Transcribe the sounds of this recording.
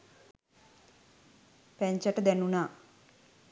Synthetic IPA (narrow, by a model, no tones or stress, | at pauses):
pɛɲt͡ʃɐʈɐd̪ɛnːuna